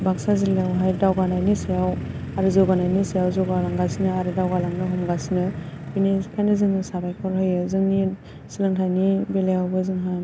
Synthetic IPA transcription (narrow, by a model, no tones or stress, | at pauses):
baksazilejawɦajdawɡanajnisijaw | aɾɯzɔɡanajnisijawzɔɡalaŋɡasinɯaɾɯdawɡalaŋnɯɦɔmɡasinɯpinikʰajnɯzɯŋnɯsabajkʰɔɾhɯjɯzɯŋni | silɯŋtʰajnibelejawbɯzɯŋɦa